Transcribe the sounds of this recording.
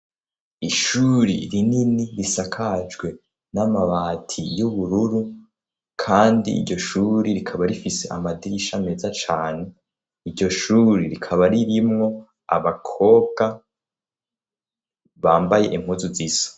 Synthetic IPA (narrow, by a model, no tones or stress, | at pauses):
iʃuɾḭɾininiɾisakʰad͡ʒɡwe̞ | namaβaːtʰijuβuɾuɾu | kʰaːndḭːɾɟo̞ʃuɾiɾikʰaβaɾifise̞ʔa̰madiɾiʃame̞ːzat͡ʃaːne̞ | iɾɟo̞ʃuːɾiɾikʰaβaɾiɾimŋo̞ | a̰βakʰo̞ːbɡa | βaːmbaje̞̰ʔim̥uzuziːzḁ